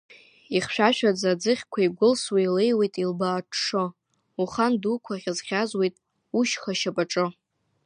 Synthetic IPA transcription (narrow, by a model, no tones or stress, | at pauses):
iχʃᶣaʃᶣad͡zad͡zɨχʲkʷʰaiɡʷʊlswailejwejtʼilbaːʈ͡ʂʰʂɨ | uχandukʷʰaʁʲazχʲazwe̞jtʼ | uʃχaʃapʼaʈ͡ʂʼɨ